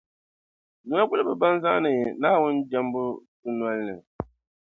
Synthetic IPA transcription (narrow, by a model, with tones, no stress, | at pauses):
nu˨a˦ɡ͡bʊ˦lɨ˦bɨ˨ba˦n˦za˦nɨ˨ɛ˨na˦wʊ˦nd͡ʒa˦mbʊ˦dɨ˦nwa˦lnɨ˨ŋ˨